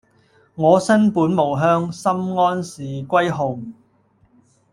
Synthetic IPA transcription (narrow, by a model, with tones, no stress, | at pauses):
ŋɔː˨˧sɐ˥npuː˨˥nmo˨˩wɦœː˥ŋsɐ˥mŋɔː˥nsiː˨kʷɐ˥jɦʊ˨˩ŋ